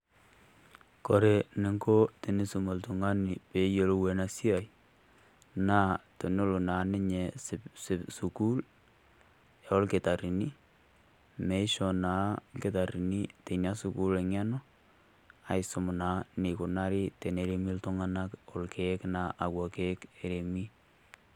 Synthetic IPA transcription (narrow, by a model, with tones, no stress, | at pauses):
ko˨ɾe˨ni˦ŋɡo˦ti˨ni˦su˨mo˨ltu˨ŋa˦ni˨pe˨˦jo˦lo˦we˨na˨˦si˦a˨j | na˦to˨nu˦lu˨na˨nɪ˦ɲe˨sssu˨ku˦l | ja˨ɔ˦lke˨ta˨ɾi˨ni˦ | me˦ɪ˦ʃɔ˨naː˨˦ke˨ta˨ɾi˨ni˦te˨na˦su˦ku˦le˨ŋɛ˦nɔ˦ | a˨ɪ˨sʊ˨mʊ˨na˨˦ni˨ku˨na˦ɾi˦te˨ne˨ɾe˦mi˦ltʊ˦ŋa˦na˦kɔ˨lkʰe˦kna˨ʔa˨kwɔ˨ke˦ke˨ɾe˨mi˦